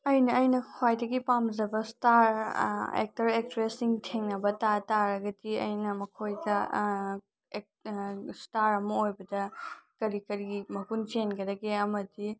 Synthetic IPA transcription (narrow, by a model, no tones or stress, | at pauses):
ɐjnɐːjnɐkʰwajdɐɡipamzɐbɐstaɾḛk̚tɐɾek̚tɾesiŋtʰeŋnɐbɐtataɾɐɡɐdiɐ̰jnɐmɐkʰojdɐ | e | staɾɐmɐojbɐdɐkɐɾikɐɾiɡimɐkunt͡ʃenɡɐdɐɡeɐmɐdi